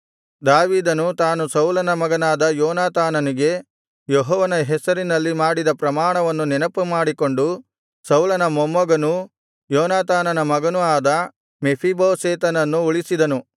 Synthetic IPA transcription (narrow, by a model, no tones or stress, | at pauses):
d̪aːʋiːd̪ɐnut̪aːnusɐwlɐnɐmɐɡɐnaːd̪ɐjɔːnaːt̪aːnɐniɡe̞ | jeɦɔːʋɐnɐɦɛsɐɾinɐlːimaːɽid̪ɐpɾɐmaːɳɐʋɐnːunɛnɐpumaːɽiko̞ɳɖu | sɐwlɐnɐmomːɐɡɐnu | jɔːnaːt̪aːnɐnɐmɐɡɐnuaːd̪ɐ | mepʰiboːseːt̪ɐnɐnːuuɭisid̪ɐnu